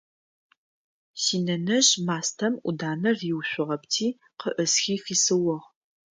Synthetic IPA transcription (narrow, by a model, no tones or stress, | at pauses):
siːnɐnɐʒmaːstʰɐmʔʷʊ̰daːnɐrɪwɕʷʊʁɐptʰiː | qəʔəsxiːfiːsɨwʊʁ